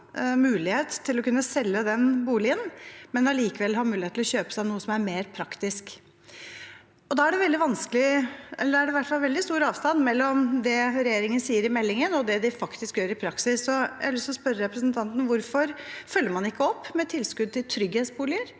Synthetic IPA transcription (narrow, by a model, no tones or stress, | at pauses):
mʉːlɪheːt̪t̪ʰːɪlɔkʉnːəsɛlːəd̪ɛnbuːlɪənmɛnɑliːkəʋɛlːɦɑɾmʉːlɪhet̪lɔɕøːpəsæɪnuːəsɔmæɾmeːɾpʰɾɑkt̪ɪsk | ɔd̪ɑːæɖɛʋɛld̪ɪʋɑnskəlɪɛ̰lːəæɖɛʋæʈːfɑlʋɛld̪ɪst̪uːɾɑːʋst̪ɑnːmɛlːɔmd̪ɛɾɛjeːɾɪŋənsiːəɾɪmɛlːɪŋənɔd̪ɛd̪ɪfɑkt̪ɪskjøːɾɪpʰɾɑksɪsːɔjæ̰ɪlʏst̪ɔspœɾəɾɛpɾəsnt̪ʰɑnt̪n̩ʋʊɾfɔɾfœlːəɾmɑnɪkːəɔpːmɛt̪ʰɪlskʉd̪̚t̪ɪlt̪ʰɾʏɡheːt̪sbuːlɪəɾ